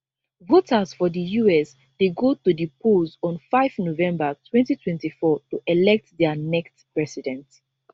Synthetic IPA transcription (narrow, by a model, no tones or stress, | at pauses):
votʰəzfɔdəjuɛs | deɡotudipʰozɔ̃nfaɪfnovɛ̃mbətʰwɛ̃ntitʰwɛ̃ntifɔtuʔɛlɛk̚tdɛənɛkstpɹɛsidɛ̃nt